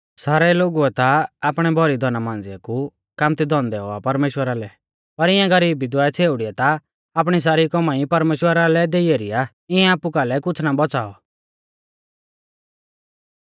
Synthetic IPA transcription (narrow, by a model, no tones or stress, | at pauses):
saːɾɛloːɡuɛt̪aaːpɽ̃ɛbʱɔɾid̪ʱɔnamãːnd͡zɪa̰ku | kaːmt̪id̪ɔ̃nd̪ɛɦo̰a̰pɐɾmeːʃwəɾalɛ | pɐɾɪãɡɐɾiːbid̪waːɛt͡sʰeːʊɽiɛt̪aː | p̬ɽ̃is̬aːɾikɔmãːipɐɾmeːʃwəɾalɛd̪eieːɾija | ɪɛ̃aːpukalɛkʊt͡sʰnabɔt͡saːɔ̰